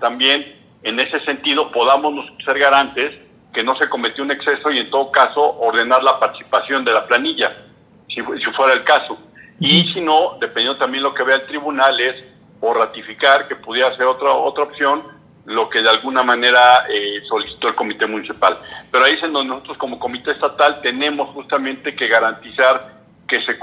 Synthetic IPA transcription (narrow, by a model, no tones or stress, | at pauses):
t̪ambje̞n | e̞ne̞se̞se̞nt̪ið̞o̞po̞ðamo̞znososeɾɣaɾant̪e̞s | ke̞no̞se̞ko̞me̞t̪joune̞kse̞so̞ie̞nt̪o̞ð̞o̞kaso̞ʔːɾðe̞naɾlapaɾt̪i̥si̥pasjo̞nd̪e̞laplaniʝa | sisifwe̞ɾaelkaso̞ | isino̞ðepenenot̪ambje̞nlo̞ke̞βeaelt̪ɾiβunale̞s | orat̪ifikaɾke̞puðje̞ɾase̞ɾo̞t̪ɾaot̪ɾaopsjo̞n | lo̞ke̞ðealɣunamãne̞ɾaeso̞lisi̥t̪o̞elko̞mit̪e̞mũnisipalpe̞ɾoaisend̪ond̪enoso̞t̪ɾo̞sko̞mo̞ko̞mit̪e̞est̪at̪alt̪e̞nẽ̞mo̞sxust̪amẽnt̪e̞ke̞ɣaɾant̪isaɾ | ke̞se̞